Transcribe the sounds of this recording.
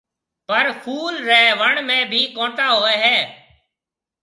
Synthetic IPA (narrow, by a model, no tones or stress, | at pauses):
pəɾkʰuːlɾeːʋəɳmẽːbʱiːkõːʈaːɦoːeːɦɛː